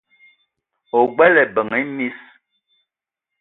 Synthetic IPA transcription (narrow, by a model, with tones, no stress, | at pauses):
o˨ɡ͡bɛ˦lɛ˨bə˨ŋɛ˨˦mi˦s